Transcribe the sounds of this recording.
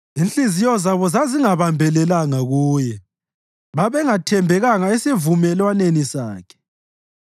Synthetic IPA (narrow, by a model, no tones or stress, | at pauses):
int͡ɬʼizijɔzaβɔzaziŋaβambʱɛlɛlaŋaɣuːjɛ | βaβɛŋatʰɛmbʱɛɣaŋaɛsevumɛlwanenisaːkʰɛ̥